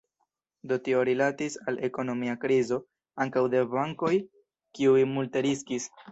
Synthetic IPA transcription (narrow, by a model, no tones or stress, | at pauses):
do̞tio̞ɾilatisale̞ko̞no̞miakɾizo̞ | aŋkawde̞baŋko̞j | kiujmulte̞ɾiskis